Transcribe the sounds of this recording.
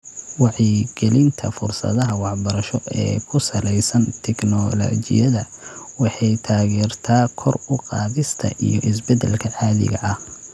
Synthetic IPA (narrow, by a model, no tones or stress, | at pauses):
wɑʕiɡ̥ɛlɪnt̪ʰɐfʊrsɐ̰ðɐɦɐwɑħbɐɾɐʃɔʔɛ̰ːkʰʊsɐlɛjsɐnt̪ʰɛknɔlɔ̰ːt͡ʃɪ̰jɐðɐwɑħɑjt̪ʰaːɣɛːrt̪ʰaːkʰɔrʊqɑːðɪst̪ʰɐ̰ʔijɔʔɪsbɛd̪ɛ̰lkʰɐʕɑːðɪ̰ɣɐ̰ʔɐh